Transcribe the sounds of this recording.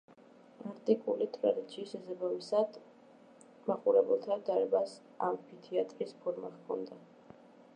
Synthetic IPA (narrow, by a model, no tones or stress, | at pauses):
aɾt̪ʼikʼulit̪ʼɾad̪it̪sʰiːsasabamisad̪̥ | maqʼuɾɛbɛlˠt̪ʰad̪aɾɛbas | a̰mpʰit̪ʰiat̪ʼɾispʰɔɾmaʁkʰɔ̰nd̪a